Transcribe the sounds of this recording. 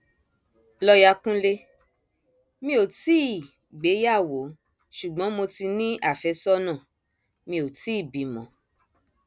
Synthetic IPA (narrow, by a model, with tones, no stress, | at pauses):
lɔ˦ja˧kũ˦le˦ | mĩ˧˦o˨ti˦i˦˨ | ɡ͡be˨˦ja˦˨wo˨˦ | ʃu˨ɡ͡bɔ̃˨˦mo˧ti˧nĩ˦ʔa˦˨fɛ˨˦sɔ˦nã˦˨ | mĩ˧o˨ti˦˨bĩ˨˦mɔ̰̃˨˦